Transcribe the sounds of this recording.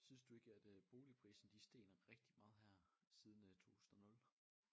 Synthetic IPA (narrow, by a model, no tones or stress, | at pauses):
synsd̥ue̝ɡ̥əæd̥b̥o̝ːlipʰʁḭːsn̩d̥isd̥e̝̰ːnɐʁɛɡ̥̚d̥imɑ̈ːð̞̩ˠɦæɐ̰sið̞ˠn̩t͡sʰo̝̰ːhu̥sn̩ˠɐnɔ̽l